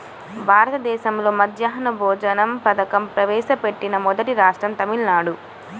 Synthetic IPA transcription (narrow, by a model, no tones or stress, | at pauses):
bʱaːɾɐt̪ɐd̪ɛːʃɐmlo̞ːmɐd̪jɐɦɐnɐbʱɔːd͡ʒɐnɐmpɐd̪ɐkɐmpɾɐʋɛːʃɐpe̞ʈːinɐmɔd̪ɐʈiɾaːʂʈɾɐmt̪ɐmilnaːɽu